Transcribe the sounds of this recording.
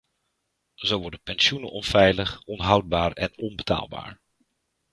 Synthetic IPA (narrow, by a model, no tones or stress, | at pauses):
zowʋɔɹdəpɛnsjunə̰nɔnfɛjləχɔnɦɑwd̚baːɹɛ̰nɔnbəta̰ːlˠba̰ːɹ